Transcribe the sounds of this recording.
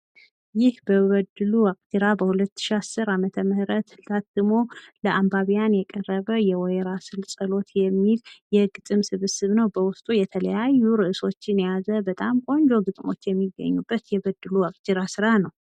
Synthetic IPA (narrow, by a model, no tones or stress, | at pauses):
jɪhbəβəd̪ɨluwakʼt̪ʰiɾabəhulət̪ːɨ̥ʃiasːɨɾamət̪ʰəmɨhɾət̪lat̪ːɨmo̞ləʔambaβijanjɛkʼərːəβəjɛwɔjɛɾasɨlsʼəlo̞t̪jɛmːiljɛɡɨt̪ʼɨmsɨβɨsɨβnəwbəwʊst̪ʼujɛt̪ʰələjajːuɾɨʔɨso̞t͡ʃːɪnjazəbət̪ʼamkʼo̞nd͡ʒo̞ɡɨt̪ʼmo̞̰t͡ʃːjɛmːiɡːə̰ɲːubːət̪jɛbəd̪ːɨluwakʼt̪iɾasɨɾanəw